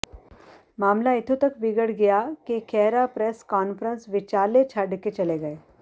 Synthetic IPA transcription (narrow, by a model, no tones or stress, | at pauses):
maːmlaɪt̪ʰot̪ɐkbɪɡəɽɡɐjakekʰɛːɾapɾɛskaːnfɾə̃nsʋɪt͡ʃaːlet͡ʃʰɐɖket͡ʃɐleɡɐeː